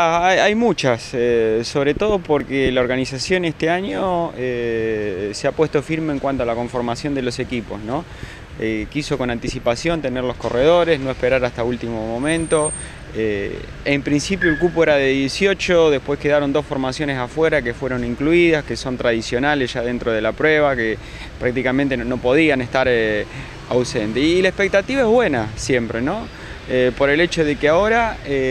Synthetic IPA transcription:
aajajmut͡ʃaseso̞β̞ɾet̪o̞ð̞o̞po̞ɾkelao̞ɾɣanisasjo̞nest̪eaɲo̞e | seapwe̞ht̪o̞fiɾmeːŋkwant̪oalako̞ɱfo̞ɾmasjo̞nd̪e̞lo̞se̞kipo̞̰sno̞ | ekiso̞ko̞nant̪isipasjo̞nt̪e̞neɾlo̞sko̞reð̞o̞ɾesno̞e̞spe̞ɾaɾast̪ault̪imomõmẽnt̪o̞ | ḛ | empɾinsipjoelkupoeɾaðe̞ðjesjo̞t͡ʃoðe̞hpwe̞ske̞ðaɾo̞nd̪o̞sfo̞ɾmasjo̞nesafweɾakefwe̞ɾo̞niŋkluiðaskeso̞nt̪ɾaðisjo̞nalesʒ̥aðe̞nt̪ɾoð̞e̞lapɾweβake | pɾak̚t̪ikament̪eno̞po̞ð̞ianest̪aɾ | awsent̪eilaehpek̚t̪at̪iβaeβwe̞nasje̞mpɾeno̞ | epo̞ɾe̞let͡ʃo̞ðekeao̞ɾae

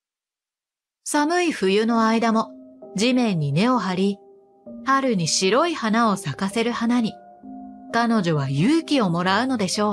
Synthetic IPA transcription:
samɯ̟iɸɯ̟jɯ̟no̞aid̪amo̞d͡ʑimẽ̞ɲ̟ːine̞o̞ɦaɾʲi | haɾɯ̟ɲ̟iɕiɾo̞ihanao̞sakase̞ɾɯ̟hanaɲ̟i | kano̞ʑo̞β̞ajɯːkʲio̞mo̞ɾaɯ̟no̞d̪e̞ɕo̞ː

